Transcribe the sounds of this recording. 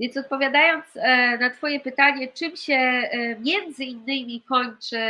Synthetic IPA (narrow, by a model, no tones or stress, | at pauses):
vʲjɛnsɔt̪̚pɔvʲjad̪ajɔnt̪snat̪fɔjɛpɘt̪aɲɛt͡ʂɘmɕɛmʲjɛnd̪zɘinːɘmʲikɔɲt͡ʂɘ